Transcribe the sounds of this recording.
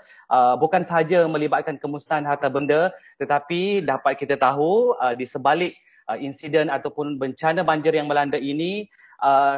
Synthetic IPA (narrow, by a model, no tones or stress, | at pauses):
ʔəbukansəɦad͡ʒamə̃libat̪̚kankəmust̪aanɦart̪abəndət̪ət̪apidapat̪̚kit̪at̪aɦuədisəbalɪk̚ | əinsidənat̪awpʊnbəɲt͡ʃanãbaɲd͡ʒɪrjaŋmə̃landainĩ | ʔə